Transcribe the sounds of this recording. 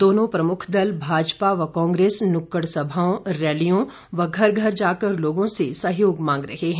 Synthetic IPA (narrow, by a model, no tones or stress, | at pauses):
d̪oːnõpɾɐmʊkʰd̪ɐlbʱaːd͡ʒpaʋɐkɔ̃ːŋɡɾeːsnʊkːəɽsɐbʱaːõɾɛːlijõ | ʋɐɡʱɐɾɡʱɐɾd͡ʒaːkəɾloːɡõsesɐɦjoːɡmãːŋɡɾɐɦeɦɛ̃